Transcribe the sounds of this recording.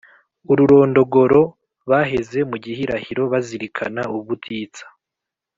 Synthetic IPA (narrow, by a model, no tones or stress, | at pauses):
uɾuɾo̞ːndo̞ɡo̞ɾo̞ | βaɦe̞ze̞muɟihiɾahiɾo̞βaziɾikʰa̰nauββutʰiːt͡sḁ